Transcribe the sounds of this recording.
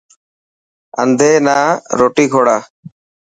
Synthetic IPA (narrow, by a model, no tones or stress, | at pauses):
a̰nd̪ʱenaɾoʈiɡʱɔɽa